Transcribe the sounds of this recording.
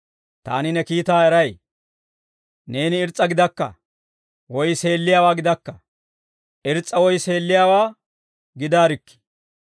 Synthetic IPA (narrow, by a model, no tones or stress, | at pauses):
t̪a̰ːnɪnɛkiːt̪aːɛɾɐj | ne̞ːnɪɪɾt͡sʼːɐɡɪd̪ɐkːɐ̰ | wɔjse̞ːlːɪjaːwaːɡɪd̪ɐkːɐ | ʔɪɾt͡sʼːɐwɔjse̞ːlːɪjaːwaː | ɡɪd̪aːɾɪkːɪ̥